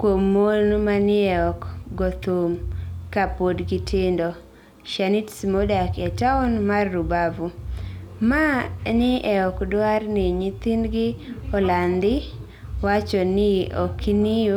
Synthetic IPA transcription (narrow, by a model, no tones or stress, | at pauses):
kwomːonmanɪɛɔkɡɔt̪omkapodɡɪtʰɪndɔ | ʃanitsimodakɛtaɔnmarːubavu | manɪʔɛɔkdwarnɪɲit̪inɡɪɔland̪ɪ | wat͡ʃɔnɪɔ̰kʰinɪjo